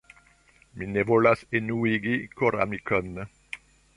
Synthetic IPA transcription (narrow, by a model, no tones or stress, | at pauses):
minevolasenuiɡikoɾa̰mikɔn